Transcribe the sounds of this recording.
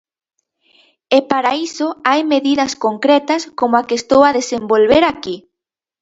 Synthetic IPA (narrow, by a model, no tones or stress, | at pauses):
epaɾaisoajmeðiðɐskoŋkɾet̪ɐskomoakest̪owaðesembolβeɾaki